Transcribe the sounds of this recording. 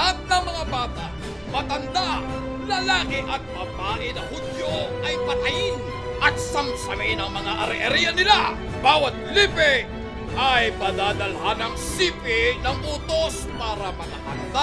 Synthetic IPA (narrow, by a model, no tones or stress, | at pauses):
ɐt̪̚nɐŋmɐŋabaːt̪aʔ | mɐt̪ɐnd̪a | lɐlaːkɪʔɐt̪̚pɐpaːʔɪnɐŋhʊd̪joʔɐjpɐt̪ɐjɪn | ʔɐt̪̚sɐmsɐmɪnɐŋmɐŋaʔɐɾɪʔɐɾiɐnɪla | baːwɐt̪̚liːpɛ | ʔɐjpɐd̪aːd̪ɐlhanɐŋsiːpɪnɐŋʔuːt̪os | paːɾɐmɐnɐkɐ̰nd̪a